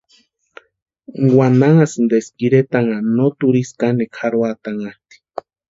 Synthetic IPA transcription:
wanaŋasind̪eskiɾet̪aŋanot̪uɾiskanekʰaɾwat̪aŋat̪i̥

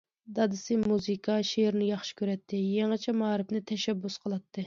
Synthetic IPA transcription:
d̪ɑd̪ɨsɪmuzɨkʰɑʃeɾnɪjɑχʃɪ̥kʲøɾɛt̪ʰːɪjeŋɨt͡ʃʰɛmɑːɾɪpnɪt̪ʰɛʃɛbːusqʰəlˠɑt̪ʰːɨ

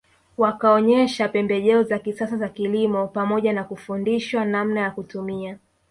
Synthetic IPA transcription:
wakaɔɲɛʃapɛmbɛʄɛɔzakisasazakilimɔpamɔʄanakufundiʃwanam̩najakutumia

